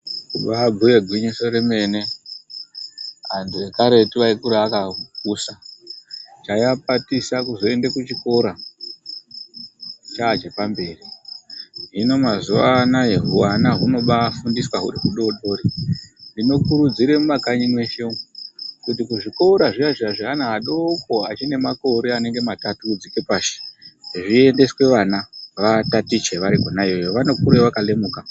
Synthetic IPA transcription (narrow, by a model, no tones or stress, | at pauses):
kuɓaːbʱujeɡʱwiɲiso̞ɾeme̞ne̞ | a̰ndiekaɾe̞tiʋaikuɾaːkakuːsa | t͡ʃajap̚atisakuzo̞e̞ndekut͡ʃiko̞ɾa | t͡ʃaːt͡ʃe̞pambe̞ːri | ɦino̞mazuʋanaɦeɦuanaɦuno̞ɓafundiswaɦṵɾiɦuɗo̞ɗo̞ɾindino̞kuɾud͡ziɾemumakaɲimwe̞ʃe | kutikuʐikouɾaʐiaʐiaʐiɦanaɦaɗo̞ko̞a̰t͡ʃine̞mako̞ɾeane̞ŋɡe̞matatud͡zike̞paʃe̥ʐie̞nde̞swe̞ʋanaʋatatit͡ʃeʋaɾiko̞najejoʋanokuɾeʋakale̞muːka